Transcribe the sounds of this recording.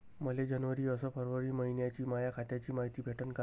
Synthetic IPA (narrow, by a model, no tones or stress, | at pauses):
məled͡ʑənʋəɾiəsɔpʰəɾʋəɾiməɦinjat͡ɕimajakʰat̪jat͡ɕimaɦit̪ibʱeʈʰənka